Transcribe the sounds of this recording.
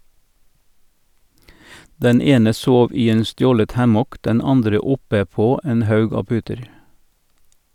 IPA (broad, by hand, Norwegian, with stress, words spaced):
ˈdɛn ˈeːnə ˈsoːʋ ˈiː ˈeːn ˈstjoːlət ˈhæmɔk ˈdɛn ˈɑndɾə ˈʊpə ˈpoː ˈeːn ˈhɑʉɡ ˈɑː ˈpʉːtəɾ